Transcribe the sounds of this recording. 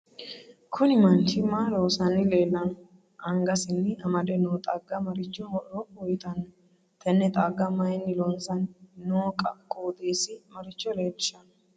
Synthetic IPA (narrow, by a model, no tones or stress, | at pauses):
kʰʊnɪmɐnt͡ʃɪmɐloːsɐnɪle̞ːlːɐnɔ | ɐŋɡɐsɪnːɪɐmɐd̪ɛnoːt̪ʼɐɡɐmɐɾɪt͡ʃːɔʔɔɔjɪt̪ɐnːɐ | t̪ʰɛnːɛt̪ʼaːɡːɐmɐjɪnːɪlɔnsɐnnoːkʼɐkʼːoːd̪eːsɪmɐɾɪt͡ʃːɔleːd̪ɪʃɐnɔ